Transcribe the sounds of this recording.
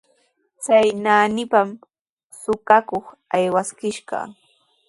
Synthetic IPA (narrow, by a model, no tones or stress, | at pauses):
t͡sajnaːnɪpam | sʊkakoχ | ajwaskɪʃɢɑ̰